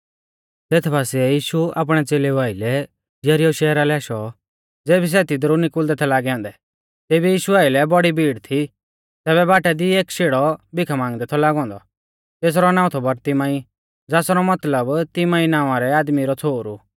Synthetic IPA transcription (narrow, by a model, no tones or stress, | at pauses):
t̪eːt̪ʰbaːsiɛjiːʃua̰ːp̬ɽ̃ɛt͡seːleaːɪlɛ | d͡ʒɐɾiɔʃɛːɾalɛaːʃɔ | d͡zeːbis̬ɛt̪id̪ɾunɪkʊld̪ɛt̪ʰɛlaːɡɛɔ̃ːnd̪ɛ | t̪eːbijiːʃuaːɪlɛbɔɽibiːɽt̪ʰi | t̪ɛːβɛbaːʈɛd̪ieːkʃeːɽɔbɪkʰamãːŋɡd̪ɛt̪ʰɔlaːɡɔ̃ːnd̪ɔ | t̪eːs̬ɾɔnãːʊ̃t̪ʰɔbɐɾt̪ɪmãːi | d͡zaːsɾɔmɐt̪ləbt̪ɪmãːinãːʊ̃aɾɛaːd̪miɾɔt͡sʰoːɾu